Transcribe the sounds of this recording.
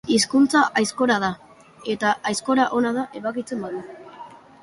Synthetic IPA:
iskunt͡saʔajsko̞ɾaða | e̞t̪aʔajsko̞ɾaʔo̞nað̞aʔe̞βakit͡se̞mbaðu

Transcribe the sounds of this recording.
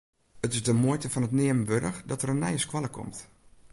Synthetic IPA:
ətɪsdəmoəjtəfɔnətnɪəmənʋøɾəxdɔtərənːɛjəskwɔlˠəkʰɔ̰mt

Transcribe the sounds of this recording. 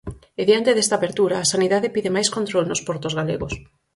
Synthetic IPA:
eðjant̪eðest̪aːβeɾt̪uɾaːsaniðaðepiðɪmajskont̪ɾolnʊspɔɾt̪ʊzɣaleɣʊs

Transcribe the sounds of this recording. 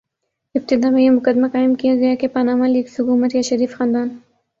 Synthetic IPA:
ɪb̚t̪ɪd̪ɑːmejemʊkad̪makɑːɪmkijaɡɐjakepanɑːmalikshʊkumɐt̪jaʃɐɾiːfxɑːnd̪ɑːn

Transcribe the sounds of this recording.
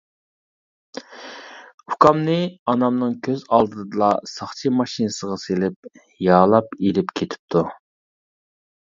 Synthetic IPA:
ukʰɑmnɨɑnɑmnɨŋkʲʰøzɑlˠd̪ɨd̪ɨlˠɑsɑχt͡ʃʰimɑʃinɨsəʁɑselɪp̚ | jɑːlˠɑpelɪpkʲʰet̪ʰɪ̥p̚t̪ʰu

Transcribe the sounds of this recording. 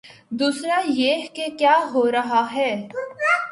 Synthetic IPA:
d̪uːsɾajeːɦkekjaːɦoɾɐɦaɦɛː

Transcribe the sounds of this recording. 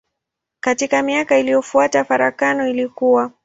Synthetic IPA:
katikamiakailijɔfuatafaɾa̰kanɔilikuwa

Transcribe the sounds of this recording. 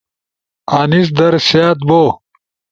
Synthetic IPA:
aːnis̬d̪ɐɾsaːt̪̚boː

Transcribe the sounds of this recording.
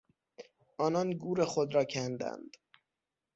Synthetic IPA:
ʔɒːnɒnɡuːɾe̞xod̪ɾɒːcʰænd̪æ̰nd̪̥

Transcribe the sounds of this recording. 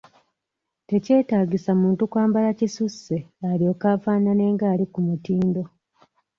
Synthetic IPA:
te̞ce̞ːtaːɟisamuːntukwaːmbalacisusːe̞aljo̞ːkaːfaːnane̞ːŋɡaːlikumutiːndo̞

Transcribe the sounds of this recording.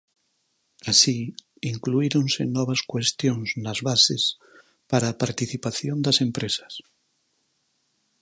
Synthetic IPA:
asi | iŋkluiɾonsenɔβ̞askwest̪jonznazβases | paɾaːpaɾt̪iθipaθjond̪asempɾesḁs

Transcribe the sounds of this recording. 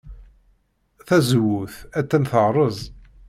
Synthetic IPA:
θæzəwːʊθæt͡s̪ːænθəʁɾˤəzˤ

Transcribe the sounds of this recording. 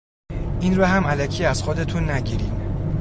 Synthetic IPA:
ʔinɾɒɦæmælæcʰiːæz̥xod̪e̞t̪ʰunːæɟiːɾiːm

